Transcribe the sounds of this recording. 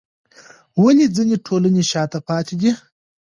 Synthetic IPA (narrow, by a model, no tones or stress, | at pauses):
wənid͡zineʈʰoləneʃɑːt̪apɑːt̪ʰed̪i